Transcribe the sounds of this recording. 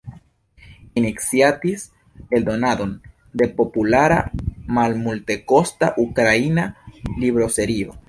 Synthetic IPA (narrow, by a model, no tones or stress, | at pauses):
ineksjat̪is | eld̪onaðon | d̪e̞populaɾa̰malmult̪ekost̪aʔukɾainaliβɾoseɾio̰